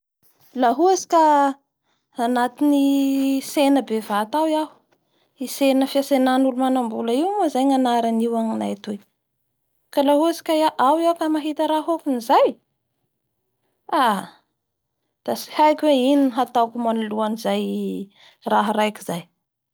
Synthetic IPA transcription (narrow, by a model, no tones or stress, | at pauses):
laɦuasi̥ka | nat̪inisenəbevat̪awjahu̥ | isenəfiasenanulumanambuləiwmazajŋanaɾaniwaŋnajt̪e | kalaɦuasi̥kʲaaʔawjawkamaɦit̪əɾaɦokunizaj | a | d̪̥asi̥hajkʲweininɦat̪awkumanuluanizaj | raɦaɾajkizaj